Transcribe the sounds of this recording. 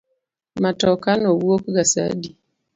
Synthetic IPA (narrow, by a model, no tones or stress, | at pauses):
matɔkanowuokuɡasa̰di